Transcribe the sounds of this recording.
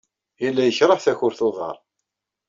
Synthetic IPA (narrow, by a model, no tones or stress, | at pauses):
ilːæjəçɾˤəħθæçʊɾθoðˤɑ̰ɾˤ